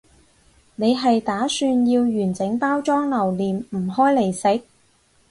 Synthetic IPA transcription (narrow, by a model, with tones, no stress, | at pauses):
ne˨˧jɦɐ˨jt̪aː˨˥syː˧njiː˧wjyː˨˩nt͡sɪ˨˥ŋpaː˥wt͡ʃɔː˥ŋlɐ˨˩wliː˨mm̩˨˩ɦɔː˥jle˨˩jsɪ˨˥k̚